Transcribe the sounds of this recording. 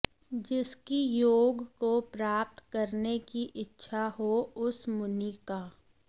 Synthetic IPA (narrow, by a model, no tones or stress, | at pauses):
d͡ʒɪskijoːɡkopɾaːp̚t̪kəɾnekiʔɪtːʃʰaɦoʊsmʊniːkaː